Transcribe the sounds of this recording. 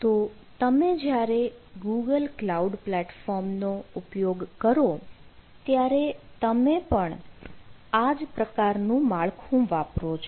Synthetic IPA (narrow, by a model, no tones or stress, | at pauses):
t̪o | t̪əmed͡ʒjaɾeɡuɡəlklauɖplɛʈfɔɾmnoʊpjoɡkəɾo | t̪jaɾet̪əmepəɳ | ad͡ʒpɾəkaɾnũmaɭkʰũʋapɾot͡ʃʰ